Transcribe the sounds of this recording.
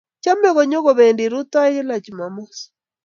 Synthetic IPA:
t͡ʃa˦mɛ˦ɣɔ˨ɲɔ˦ɣɔ˨βɛ˨ndi˨ɾu˦ta˦i˦ɣe˦la˨t͡ʃi˨ma˨mɔ˦s

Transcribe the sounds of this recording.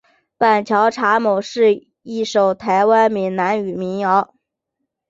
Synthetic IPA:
pa˨˩nt͡ɕʰjɑ˧˥ʊʈ͡ʂʰa˧˥mo˨˩ʊʂɻ̩˥˧ | i˥˩ʂo˨˩ʊt̪ʰa˧˥ɪwa˥nmi˧˥ŋna˧˥ny˨˩mi˧˥ŋjɑ˧˥ʊ

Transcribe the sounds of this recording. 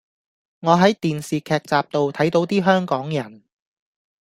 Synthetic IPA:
ŋɔː˨˧ɦɐ˨˥jt̪iː˨nsiː˨kʰɛː˨˧k̚t͡saː˨p̚t̪o˨wt̪ʰɐ˨˥jt̪o˨˥wt̪iː˥ɦœː˥ŋkɔː˨˥ŋjɐ˨˩n

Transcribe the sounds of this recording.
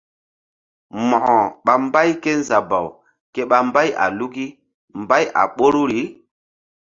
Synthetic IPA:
mɔ˨ɔ˨ɓa˨mba˦jke˦n˦za˨ba˨w | ke˦ɓa˨mba˦ja̰˨lu˦ki˦ | mba˦jʔa̰˨ɓo˦ɾu˦ɾi˨˦

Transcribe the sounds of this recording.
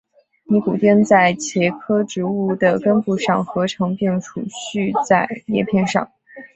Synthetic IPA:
ni˧˥ku˨˩t̪jɛ˥˧nt͡sa˥˩ɪt͡ɕʰjɛ˧˥kʰɤ˥ʈ͡ʂɻ̩˧˥u˥˩d̪ə˩kə˥npu˥˧ʂɑ˥˩ŋxɤ˧˥ʈ͡ʂʰɤ˧˥ŋpjɛ˥˩ŋʈ͡ʂʰṵ˨˩ɕy˥˧t͡sa˥˧ɪjɛ̰˥˧pʰjɛ˥˧nʂɑ̰˥˩ŋ

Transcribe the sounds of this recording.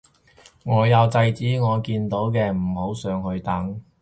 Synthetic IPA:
ŋɔː˨˧jɐ˨˧wt͡sɐ˧jt͡siː˨˥ŋɔː˨˧kiː˧nt̪o˨˥wkɛː˧m̩˨˩ho˨˥wsœː˨˧ŋhɵ˧ɥt̪ɐ˨˥ŋ

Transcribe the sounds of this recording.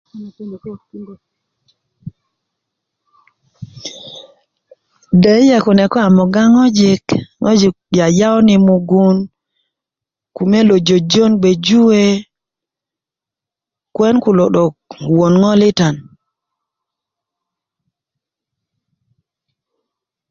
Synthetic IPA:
de˨˦jɛ˨kɔ˨nɛ˨kɔ˦a˨mɔ˨ɡa˦ŋɔ˦d͡ʒɪ˦kŋɔ˦d͡ʒi˨k̚ja˨ja˦ɔ˦nɪ˨mu˨ɡu˦n | ku˨me˦lo˨d͡ʒo˨d͡ʒo˦nɡ͡be˨d͡ʒu˦e˦ | kwɛ˦nku˨lɔ˨ɗɔ˨kwo˨nŋɔ˦lɪ˦ta˨n

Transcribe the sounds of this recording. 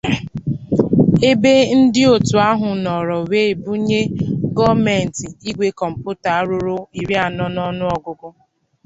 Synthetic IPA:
e˦be˦n̩˦dɪ˦o˨tu˨a˦ɦʊ˨nɔ˨ɾɔ˨we˦e˨bu˦ɲe˦ɡɔ˦me˨n̩˨ti˨i˦ɡʷe˦kɔ˨m̩˨pu˦ta˨a˦ɾʊ˦ɾʊ˦i˨ɾi˦a˨nɔ˦n˦ɔ˦nʊ˦ɔ˨ɡʊ˦ɡʊ˦

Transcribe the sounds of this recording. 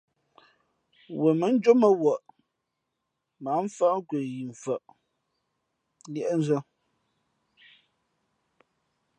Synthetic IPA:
wə˨mə˨˦n̩˦d͡ʒo˦mə˨wɔ˨ʔ | ma˨˦ɱ˦fə˦ʔŋ˦kwe˨ji˨ɱ˨fə˨ʔ | ljɛ˦ʔn˦zə˦

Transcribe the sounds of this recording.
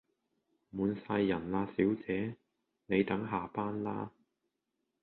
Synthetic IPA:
muː˨˧nsaː˧jːɐ˨˩nlaː˧siː˨˥wt͡sɛː˨˥ | ne˨˧jt̪ɐ˨˥ŋɦaː˨˩paː˥nlaː˥

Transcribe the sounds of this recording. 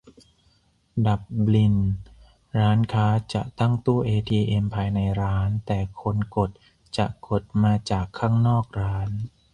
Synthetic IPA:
da˨˩p̚li˧n | ɾaː˦˥nkʰaː˦˥t͡ɕa˨˩ʔt̪a˥˩ŋt̪u˥˩ʔeː˧t̪ʰiː˧ʔe˧mpʰaː˧jna˧jɾaː˦˥nt̪ɛː˨˩kʰo˧nko˨˩t̪̚ | t͡ɕa˨˩ʔko˨˩t̪̚maː˧t͡ɕaː˨˩kʰːaː˥˩ŋnɔː˥˩k̚ɾaː˦˥n

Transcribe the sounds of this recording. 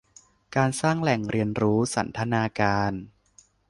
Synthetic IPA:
kaː˧nsaː˥˩ŋlɛ˨˩ŋɾi˧ənɾuː˦˥sa˩˦nt̪ʰa˧naː˧kaː˧n

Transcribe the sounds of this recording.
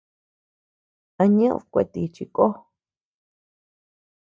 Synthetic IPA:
a˧ɲẽ˦ʔṵ̃˧˨kʷḛ˧˨t̪i˧t͡ʃi˧ko˦

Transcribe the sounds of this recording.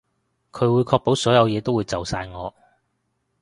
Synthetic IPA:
kʰɵ˨˧ɥwuː˨˧jkʰɔː˧k̚po˨˥wsɔː˨˥jɐ˨˧wjɛː˨˧t̪o˥wuː˨˧jt͡sɐ˨wsaː˧jŋɔː˨˧

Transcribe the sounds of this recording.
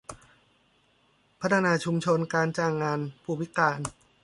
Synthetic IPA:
pʰa˦˥t̪ʰa˧naː˧t͡ɕʰu˧mt͡ɕʰo˧nkaː˧nt͡ɕaː˧˩ŋːaː˧npʰuː˧˩wʰi˦˥kaː˧n

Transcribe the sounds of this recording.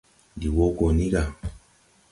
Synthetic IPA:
di˨wo˦ko˨ni˦ɡa˨

